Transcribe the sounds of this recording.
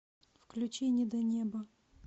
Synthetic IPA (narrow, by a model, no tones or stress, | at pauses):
fklʲʉt͡ɕenʲɪəd̪ɐnʲebə